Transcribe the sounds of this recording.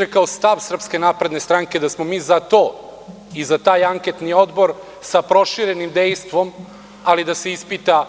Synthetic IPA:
ɾekaost̪aʋsr̩pske̞naːpɾe̞d̪ne̞st̪ɾaŋke̞d̪asmo̞miːzat̪o̞ː | izat̪aːjaŋket̪nio̞d̪bo̞ɾ | sapɾo̞ʃiɾe̞nimd̪e̞jst̪ʋo̞m | alid̪ase̞ispit̪a

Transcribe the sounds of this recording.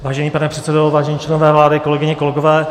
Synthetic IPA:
vaːʒɛniːpanɛpr̥ɛt̪sɛdovaːʒɛɲiːt͡ʃlɛnovɛːvlaːdɪko̞lɛɡɪɲɛkolɛɡovɛː

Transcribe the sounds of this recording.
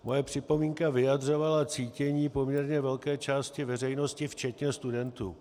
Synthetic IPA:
mo̞jɛpr̝̥ɪpo̞miːŋkavɪjadr̝o̞valat͡siːcɛɲiːpo̞mɲɛɾɲɛvɛlkɛːt͡ʃaːscɪvɛrɛjno̞scɪft͡ʃɛt̪ɲɛst̪udɛnt̪ṵː

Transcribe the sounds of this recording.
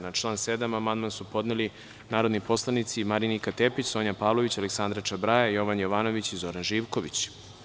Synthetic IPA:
nat͡ʃlˠaːnsed̪amamand̪mansupo̞d̪neli | naːɾo̞d̪nipo̞slˠanit̪simaɾinikat̪epit͡ɕso̞ɲapaːʋlˠo̞ʋit͡ɕaleksand̪ɾat͡ʃabɾajajo̞ʋanjoʋano̞ʋit͡ɕizo̞ɾanʒiːʋko̞ʋit͡ɕ

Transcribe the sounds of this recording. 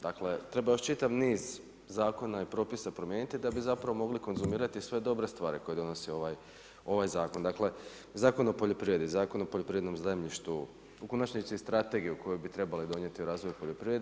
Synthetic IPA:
d̪akle̞t̪ɾe̞bajo̞ʃt͡ʃit̪aʋniːz | zaːko̞naipɾo̞ːpisapɾomjeːnit̪id̪abizapɾaʋo̞mo̞ɡliko̞nzumiːɾat̪isʋe̞d̪o̞bɾe̞st̪ʋaːɾiko̞jed̪o̞no̞sio̞ʋaj | o̞ʋajzaːko̞nd̪akle̞ | zaːko̞nopoʎo̞pɾiɾe̞d̪izaːko̞nopoʎo̞pɾiːʋed̪no̞mzemʎiʃt̪u | uko̞nat͡ʃɲit̪sist̪ɾat̪e̞ɡijukʰo̞jojbit̪ɾe̞balid̪o̞nje̞t̪iuɾaːzʋojupoʎo̞pɾiʋɾe̞d̪

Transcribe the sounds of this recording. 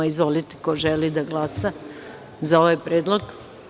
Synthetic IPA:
aizʋolit̪i̥koʒelid̪aɡlˠaːsa | zao̞ʋajpɾeːd̪lˠoɡ

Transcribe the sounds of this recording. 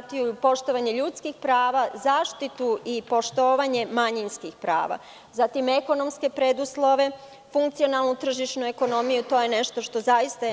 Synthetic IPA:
t̪iupo̞ʃt̪oʋaɲeʎut̪skixpɾaːʋazaːʃt̪it̪uipo̞ʃt̪o̞ːʋaɲe̞maɲinskixpɾa̰ːʋa̰ | zat̪imeko̞no̞mske̞pɾe̞d̪uslˠo̞ʋe̞ | fuŋkt̪sio̞nalˠnut̪r̩ʒiʃnue̞ko̞no̞mijut̪o̞ːje̞ne̞ʃt̪o̞ʃt̪o̞zajist̪a

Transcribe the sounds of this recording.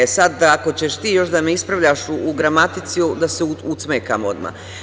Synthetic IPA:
esad̪ako̞t͡ɕeʃt̪iːjo̞ʃd̪ameispɾaʋʎʲaːʃuːɡɾamat̪it̪sid̪aseuut̪smeːka̰mo̞̰d̪ma̰ː

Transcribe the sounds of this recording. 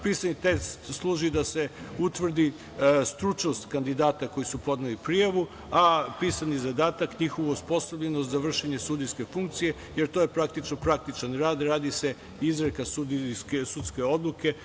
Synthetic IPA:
piːsanit̪est̪slˠuːʒid̪ase̞ut̪ʋr̩d̪i | st̪ɾut͡ʃnost̪kand̪id̪aːt̪ako̞jisupo̞d̪nelipɾijaʋu | apiːsanizad̪aːt̪akɲixo̞ʋuspo̞st̪abʎenost̪zaʋr̩ʃeɲesud̪ijske̞fuŋkt̪sije̞ | je̞ɾt̪o̞ːje̞pɾak̚t̪it͡ʃnopɾak̚t̪it͡ʃanɾaːd̪ɾaːd̪ise̞ | izɾekasud̪iskesut̪ske̞o̞d̪lˠuke̞

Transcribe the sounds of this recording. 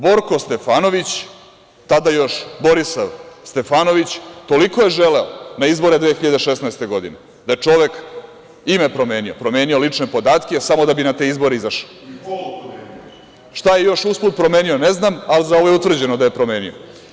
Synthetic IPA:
bo̞ɾko̞st̪e̞faːno̞ʋit͡ɕ | t̪ad̪ajo̞ʃbo̞ɾisaʋst̪e̞faːno̞ʋit͡ɕt̪o̞likoje̞ʒeleonaizbo̞ɾed̪ʋexiʎad̪e̞ʃesnaest̪e̞ɡo̞d̪ḭne̞ | d̪ajet͡ʂo̞ʋek | imepɾo̞me̞ːnio̰pɾo̞me̞ːnio̞lit͡ʂne̞po̞d̪aːt̪ke̞samo̞d̪abinat̪e̞izbo̞ɾeizaʃeo | ʃt̪aje̞jo̞ʃusput̪̚pɾo̞meːnio̞neznamalizao̞ʋojeut̪ʋr̩d͡ʑenod̪aje̞pɾomeːnḭo

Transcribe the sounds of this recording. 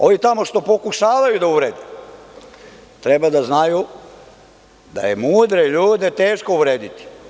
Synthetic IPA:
oʋit̪amo̞ʃt̪o̞po̞kuʃaːʋajud̪auʋɾed̪u | t̪ɾe̞bad̪aznaju | d̪a̰je̞muːd̪ɾe̞ʎuːd̪e̞t̪e̞ːʃko̞uʋɾe̞ːd̪it̪i̥

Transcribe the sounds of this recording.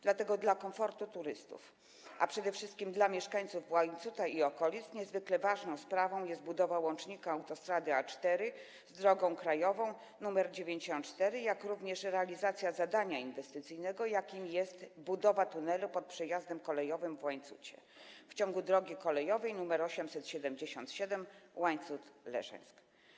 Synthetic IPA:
d̪lat̪ɛɡɔd̪lakɔɱfɔɾt̪ut̪uɾɘst̪ṵf | ʔapʂɛd̪ɛfʂɘst̪kʲimd̪lamʲjɛʂkaɲt̪suvːwajt̪sut̪aiɔkɔlʲit̪sɲɛzvɘklɛvaʐnɔ̃w̃spɾavɔ̃w̃jɛst̪bud̪ɔvawɔnt͡ʂɲikaːwt̪ɔst̪ɾad̪ɘat͡ʂt̪ɛɾɘ | zd̪ɾɔɡɔ̃w̃kɾajɔvɔ̃w̃ | numɛɾd͡ʑevʲjeɲd͡ʑeɕɔnt͡ʂt̪ɛɾɘjakɾuvɲɛʂɾɛalʲizat̪sʲjazad̪aɲainvɛst̪ɘt̪sɘjnɛɡɔjakʲimjɛst̪bud̪ɔvat̪unɛlupɔt̪̚pʂɛjazd̪ɛmkɔlɛjɔvɘmvwaɲt̪sut͡ɕɛ̰ | ft͡ɕɔ̃ŋɡud̪ɾɔɡʲikɔlɛjɔvɛjnumɛɾɔɕɛmsɛt̪ɕɛd̪ɛmd͡ʑeɕɔnt̪ɕɛd̪ɛmwaɲt̪sut̪lɛ̰ʂɛ̰ɲsk

